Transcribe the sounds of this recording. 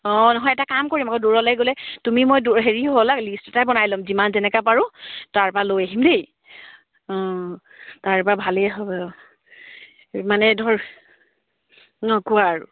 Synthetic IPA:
ɔ̃nɔɦɔjɛtakamkoɹimakɔduɹɔlajɡolɛtumimojduɦeɹiɦolaklistɔtajbɔnajlɔmzimanzɛnɛkapaɹʊtaɹpalojaɦimdej | ɔ̃ | taɹpɹabʱaleɦɔ | manɛdʱɔɹ | ɔ̃kuaɹʊ̰

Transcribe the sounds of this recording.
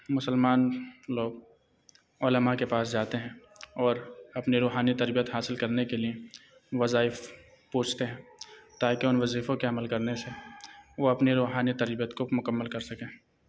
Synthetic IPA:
mʊsəlmaːnloːɡ̚ | oːləmakepaːsd͡ʒaːt̪eɦɛ̃ː | ɔːɾɐpniɾoːɦaːnit̪ɐɾbijət̪ɦaːsɪlkɐɾnekelie | ʋɐzaːɪf | puːt͡ʃʰt̪eɦɛ̃ːt̪aːkeʊnʋɐziːfõkeɐməlkɐɾneseʋoɐpniɾoːɦaːnit̪ɐɾbijət̪komʊkəmːəlkɐɾsɐkẽː

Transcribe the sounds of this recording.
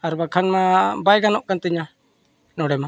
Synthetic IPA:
aɾbakʰanmabajɡanɔʔkant̪əɲa | nɔɽɛma

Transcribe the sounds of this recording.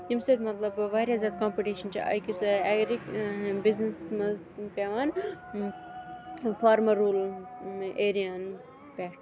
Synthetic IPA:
jimseɾmɐt̪lɐbʋaːɾjaːzʲjaːd̪̚kãːmpiʈiːʃɐnt͡ʃʰḭʔɐ̰jkisɐɛɡɾibiznesmɐ | pʲaːʋaːn | faːɾmɐɾuːl | eːɾijaːn | pʲɛːʈ

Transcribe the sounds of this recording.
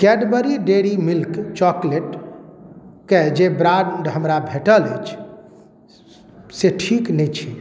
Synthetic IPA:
kɛɖbəɾiɖeɽimilkt͡ʃɔkleʈ | ked͡ʒebɾãɳɖɦəmɾabʱeʈələjt͡ʃʰ | seʈʰiknɛjt͡ʃʰi

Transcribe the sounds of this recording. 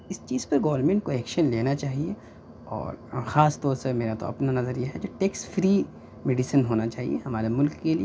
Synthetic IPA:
ɪst͡ʃiːzpɐɾɡɐːʋəɾmẽːɳʈ̚koɛːkʃənleːnat͡ʃaːɦie | ɔ̰ːɾxaːst̪ɔːɾsemeːɾat̪o̰ɐ̰pnanɐzəɾjeɦɛd͡ʒoːʈeːksʈfɾiː | meːɖisənɦoːnat͡ʃaːɦḭḛɦɐmaːɾemʊlkːelie

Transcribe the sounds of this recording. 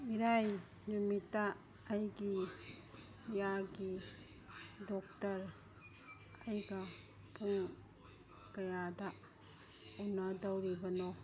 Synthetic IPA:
iɾaj | ɲumitːaː | jɡi | jaɡi | dok̚tɐɾ | ajɡa | pʰuŋ | kɐjada | unadawɾibɐno

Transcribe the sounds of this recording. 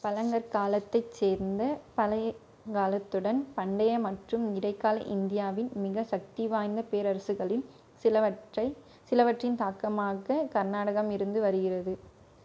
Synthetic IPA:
pɐlɐŋɡɐɾkaːlɐt̪ːɐɪt͡ʃːeːɾnd̪ɐpɐlɐ | kaːlɐt̪ːɯɽɐnpɐɳɖɐjɐmɐʈrɯmnɪɽɐɪkːaːlɐ̰ʔɪnd̪ɪjaːʋɪnmɪɣɐsɐk̚t̪iʋaːjnd̪ɐpeːɾɐɾɐsɯɣɐɭɪl | sɪɐɐɪ | sɪlɐʋɐʈrɪnt̪aːkɐmaːɣɐkɐɾnaːɽɐɣɐmɪɾɯnd̪ɯʋɐɾɯɣɪrɐðɯ

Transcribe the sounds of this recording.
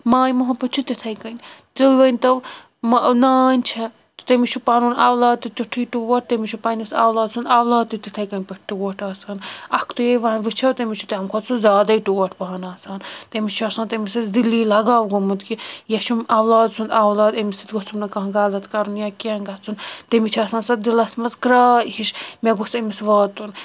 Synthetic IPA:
maːjimɐɦɐpɐt͡ʃʰut̪it̪ʰɐjkɐnʲt̪ɨʋɐnʲt̪ɐʋ | mnaːnʲt͡ʃʰɐ | t̪t̪ɐmit͡ʃʰupɐnuːnaːwlaːd̪̚t̪it̪uʈʰiːʈuʋɐʈ̚t̪ɐmit͡ʃʰupɐnisawlaːd̪sʰund̪awlaːd̪̚t̪it̪it̪ʰɐjkɐnʲpɐʈ̚ʰʈuʋɐʈʰaːsɐnɐkʰt̪ujeʋaːnʋɨt͡ʃʰɐwt̪ɐmʲit͡ʃʰu̥t̪ɐɐmkʰot̪sʰuzʲaːd̪ɐiʈuʋɐʈʰpɐɦɐnaːsaːnt̪emit͡ʃʰuɐsaːnt̪emisit̪d̪ilːiːlɐɡaːwɡomut̪kijɐt͡ʃʰumɐʋlaːd̪̚sʰund̪ɐʋlaːd̪ɐmisit̪ʲɡot͡sʰumnɐkɐɦɡaːzɐt̪kɐɾunjakanɡɐt͡sʰunt̪emit͡ʃʰɐsaːnsɐt̪d̪ilɐsmɐzkɾaːhiʃmʲeɡosɐmisʋaːt̪un

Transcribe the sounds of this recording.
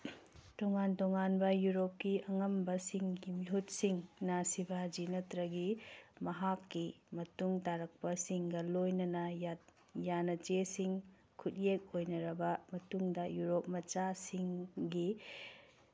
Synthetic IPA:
toŋantoŋanbɐjuɾop̚kiʔɐŋɐmbɐsiŋɡimiɦut̚siŋnɐsibʱad͡ʒinɐtɾɐɡimɐɦakːimɐtuŋtaɾɐk̚pɐsiŋɡɐlojnɐnɐja | janɐt͡ʃesiŋ | kʰut̚jek̚ojnɐɾɐbɐmɐtuŋdɐjuɾop̚mɐt͡ʃasiŋɡi

